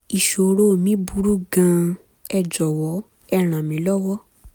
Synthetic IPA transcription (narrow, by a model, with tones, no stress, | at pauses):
i˨ʃo˨ɾo˦˨mĩ˨˦bu˦ɾu˦ɡã˧ | ɛ˧d͡ʒɔ˨wɔ˨˦ | ɛ˦˨ɾ̃ã˨mĩ˨˦lɔ˦wɔ˦